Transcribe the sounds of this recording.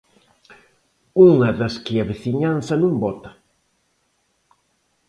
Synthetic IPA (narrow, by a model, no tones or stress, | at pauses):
uŋɐðɐskɪɐβeθiɲansɐnũmbɔt̪ɐ̥